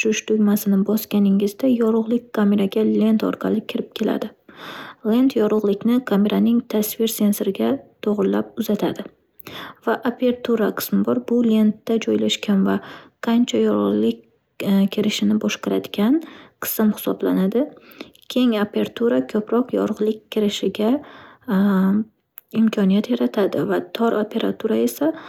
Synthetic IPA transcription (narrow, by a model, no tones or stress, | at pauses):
ʃʊʃt̪ʰʊɡʲmasɪnɪbɒskʲanɪŋɪzd̪ajɒɾʊʁlˠɪkʲkːame̞ɾaɡʲale̞nt̪ʰɒ̰ɾqʰɑlɪkʲʰɪɾɪp̚kʲʰe̞la̰d̪ɪ | le̞nt̪ʰjɒɾʊʁlˠɪkʲnɪkʰame̞ɾanɪŋt̪ʰasvɪɾse̞nsoɾɪɡʲat̪ʰoʁɾɪlːap̚ʊzat̪ʰad̪ɪ | vaʔapʰe̞ɾt̪ʰuɾaqʰɨ̥smɪbɒɾbʊle̞nt̪ːad͡ʒɒjlaʃkʲʰanvaqʰɑnt͡ʃʰajɒɾʊʁlˠɪkʲ | kʲʰeɾɪʃɪnɪbɒʃqɑɾad̪ɪɡʲanqʰɨ̥sɪmhɪ̥sɒblanad̪ɪkʲʰe̞ŋapʰe̞ɾat̪ʰuɾakʰɵpɾɒqjɒ̰ɾʊʁlˠɪkʲkʲʰːɪɾɪʃɪɡʲa | ɪmkʲʰɒnijat̪jaɾat̪ʰad̪ɪvat̪ʰɒɾʔopʰe̞ɾa̰t̪ʰuɾae̞sa